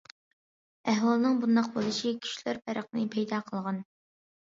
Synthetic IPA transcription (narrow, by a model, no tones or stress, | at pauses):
æhwɑlˠnɨŋbund̪ɑq̚bolˠɨʃikʲʰy̥ʃlæɾpʰæɾəqnɨpʰɛjd̪ɑqʰəlˠʁɑn